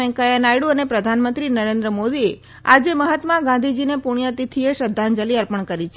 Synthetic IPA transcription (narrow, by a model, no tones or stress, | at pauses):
ɛ̃ŋkajanajɽuənepɾəd̪ʱanmənt̪ɾinəɾẽnd̪ɾəmod̪ie | a̰d͡ʒeməɦət̪mãɡãnd̪ʱid͡ʒinepuɽ̃jat̪it̪ʰieʃəd̪ʱːand͡ʒəliəɾpəɳ̃kəɾit͡ʃʰe